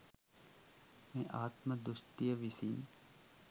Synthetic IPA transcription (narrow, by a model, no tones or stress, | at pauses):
mẽʔaːt̪məd̪ʊst̪ijəʋisiːn